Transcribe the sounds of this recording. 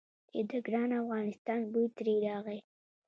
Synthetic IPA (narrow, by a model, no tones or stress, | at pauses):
d̪ed̪əɡɾɑnafɣɑnɪst̪ɑnbut̪ɾeɾɑɣəj